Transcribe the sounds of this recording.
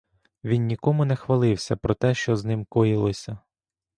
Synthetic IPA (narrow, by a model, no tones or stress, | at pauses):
ʋʲinːʲikɔmʊnɛxʋɐlˠɪwsʲɐpɾɔt̪ɛʃt͡ʃɔznɪmkɔjilˠɔsʲɐ